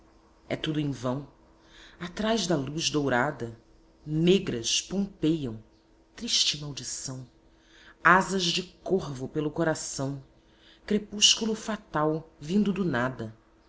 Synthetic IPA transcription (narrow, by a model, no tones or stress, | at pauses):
ɛ̰t̪ud̪ʊẽvɐ̃w̃ | at̪ɾajzd̪ɐluzd̪owɾad̪ɐ | neɡɾɐspõpejɐ̃w̃ | t̪ɾiʃt͡ʃɪmawd͡ʒisɐ̃w̃ | azɐzd͡ʒɪkohvʊpelʊkoɾasɐ̃w̃ | kɾepuʃkulʊfat̪awvĩnd̪ʊd̪ʊnad̪ɐ